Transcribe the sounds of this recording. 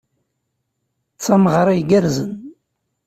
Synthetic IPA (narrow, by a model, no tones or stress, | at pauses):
t͡sːɑməʁɾˤajɡæɾzən